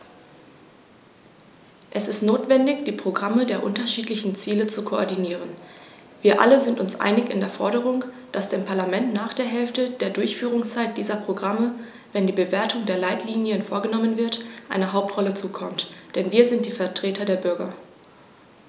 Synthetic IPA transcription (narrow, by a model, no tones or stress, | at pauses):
ʔɛsɪstnoːtv̥ɛndɪçd̥iːpʁ̥oɡʁamədeːɐʔʊ̰ntɐʃiːtlɪçn̩t͡siːlət͡sukʰoʔɔ̰ɐdiniːʁ̞ən | viːɐʔa̰ləzɪntʊnsʔa̰ɪnɪçɪ̰ndeːɐfɔɐɾəʁ̞ʊŋ | d̥asd̥eːmpʰaɐlamɛntnaːχd̥eːɐɦɛlftədeːɐdʊɐçfyːʁ̞ʊŋst͡saɪt̚d̥iːzɐpʁ̥oɡʁamə | vɛndiːbəveːɐtʰʊŋdeːɐlaɪtʰliːnjənfoːɐɡənɔmənvɪɐtʔaɪnəɦaʊp̚tʁ̥ɔlət͡suːkʰɔmtd̥ɛnviːɐzɪntd̥iːfɛɐtʁ̥eːtʰɐdeːɐbʏɐɡɐ